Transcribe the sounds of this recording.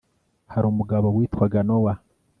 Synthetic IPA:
haɾuːmuɡaβowiːtwaɡanowa

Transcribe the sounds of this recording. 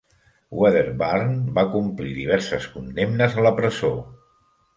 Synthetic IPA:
wɛðeɾbarnbakumpliðiβ̞ɛɾsəskund̪emnəzələpɾəzo

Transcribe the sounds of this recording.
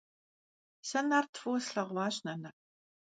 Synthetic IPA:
sɐnaːrtʰfuwsɬɐʁʷaːɕnɐnɐ

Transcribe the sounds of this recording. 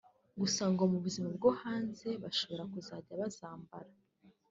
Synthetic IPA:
ɡusaŋɡo̞muβuzimab̚ɡohaːnze̞βaʃo̞βo̞ɾakuzaːɟaβazaːmbaɾa

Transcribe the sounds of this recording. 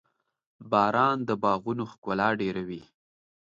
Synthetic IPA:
bɑɾɑnd̪əbɑɣunoxkʊlɑɖeɾawi

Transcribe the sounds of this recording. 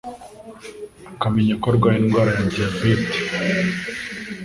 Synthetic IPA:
akameɲakoɾɡwainɡwaːɾajadiabet̪i̥

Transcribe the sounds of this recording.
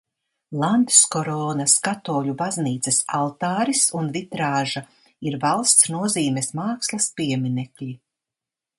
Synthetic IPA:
lˠand̪skɔɾɔːnɐskat̪ɔːʎʲubazniːt̪sɛsalˠt̪aːɾisunvit̪ɾaːʒa | iɾvalˠst̪snuɔziːmɛsmaːkslˠɐspiɛminɛklʲi

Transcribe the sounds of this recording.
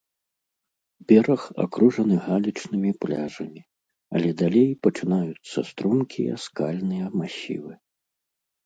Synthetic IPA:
bʲɛɾɐxa̰kɾuʐɐnɨɣalʲit͡ʂnɨmʲiplʲa̰ʐɐmʲi | ɐ̰lʲɛd̪alʲejpɐt͡ʂɨnajut̪sːɐ̰st̪ɾumkʲʰijɐ̰skalʲnɨjɐmaɕʲḭvɨ

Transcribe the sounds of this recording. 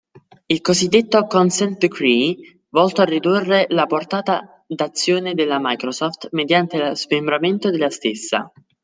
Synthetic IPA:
ilkozid̪ːet̪ːokɔnsɛnt̪̚d̪kɾi | vɔlt̪oarːid̪urːelaport̪aːt̪a | d̪at̪sːjoːned̪elːamajkɾosɔft̪med̪jant̪elazmembɾament̪od̪elast̪esːa̰

